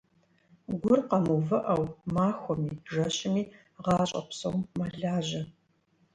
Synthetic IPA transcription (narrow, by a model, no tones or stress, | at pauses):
ɡʷʊrqɐmuvɨʔɐwmaːxʷɔmiːʒɐɕɪmiː | ʁɑːɕʼɐ̰psowmmaɮaːʑɐ